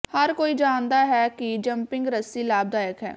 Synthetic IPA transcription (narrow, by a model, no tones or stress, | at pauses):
həɾkoːiːd͡ʒaːnd̪aːɦɛːkɪd͡ʒəmpɪ̃ŋɡɾəsiːlaːb̚d̪aːjəkɦɛ̰ː